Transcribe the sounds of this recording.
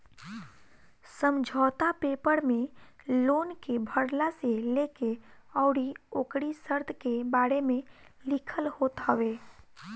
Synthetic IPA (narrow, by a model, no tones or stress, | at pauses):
səmd͡ʒʱɔːt̪apeːpəɽmẽloːnkebʱəɽlaseleːkeɔʊɽioːkɽisəɾd̪ʰʱkebaːɽemẽ | lɪkʰəlhoːt̪ɦəʋeː